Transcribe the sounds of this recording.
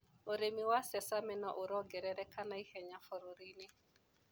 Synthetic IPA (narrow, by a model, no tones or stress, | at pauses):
oɾemiwasɛsamɛnɔ̰ʔoɾɔɡɛɾɛɾɛkanaihɛɲafɔɾoɾinɪ